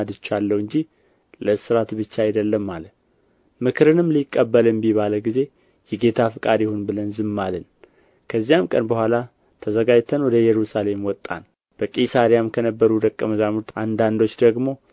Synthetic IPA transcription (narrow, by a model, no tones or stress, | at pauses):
ad̪ɨt͡ʃːalːəwɨɲd͡ʒi | ləɨsɨɾat̪bɨt͡ʃːaːjd̪əlːəmːalə | mɨkʰɨɾɨnɨmlikʼːəbːəlɨmbiβaləɡize̞ | jɛɡe̞t̪ʰafɨkʼad̪jɪhonbɨlənzɨmːalən | kʰəzːijamkʼənbəhʷala | t̪ʰəzəɡad͡ʒt̪ʰənwɔd̪əjɛɾusale̞mwɔt̪ʼːa̰n | b̥əkʼisaɾijamkʰənəbːəɾud̪əkʼːəməzamuɾt̪ʰʔand̪and̪o̞t͡ʃːd̪əɡmo̞